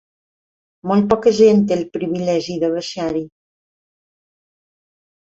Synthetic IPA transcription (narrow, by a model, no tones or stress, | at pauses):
molˠt̪̚pɔkəʒent̪elpɾiβilɛʒiðəβəʃaɾi